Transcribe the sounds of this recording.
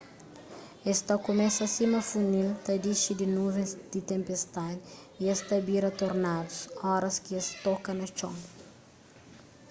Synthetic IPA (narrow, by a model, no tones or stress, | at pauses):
est̪ɐkomɛsɐsimɐfunilt̪ɐd̪iʃid̪inuvẽzd̪̥it̪ẽmpest̪ad̪ | iest̪ɐbiɾɐt̪oɾnad̪usɔɾɐskiɐst̪ɔkɐnɐt͡ʃõŋ